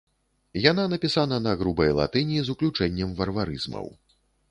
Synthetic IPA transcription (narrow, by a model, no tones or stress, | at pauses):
jananɐpʲisanɐnɐɣɾubɐjlˠa̰t̪ɨnʲizuklʲut͡ʂɛnʲːɐmvɐrvaɾɨzmɐ̰w